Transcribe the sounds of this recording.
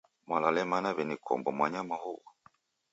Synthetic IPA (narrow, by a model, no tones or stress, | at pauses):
mwalalɛmanaβɛnikʰɔ̰mbɔmwaɲamahɔwa